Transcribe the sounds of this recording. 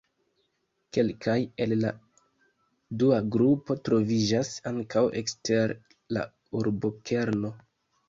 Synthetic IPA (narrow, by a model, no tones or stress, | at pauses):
ke̞lkʰaje̞lːa̰ | duaɡɾupo̞tɾo̞vid͡ʒasaŋkawḛkstʰe̞ɾ | la̰ | uɾbo̞kʰe̞ɾno̞